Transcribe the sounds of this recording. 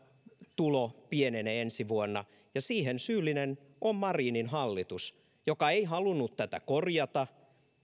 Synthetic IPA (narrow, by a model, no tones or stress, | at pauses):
t̪ulopieneneensiʋuonːɑ | jɑsiːhensyːlːˑinen | ʔommɑriːninhɑlːit̪us | jokɑeiɦɑlunːut̪t̪æt̪æ̰korjɑt̪ɑ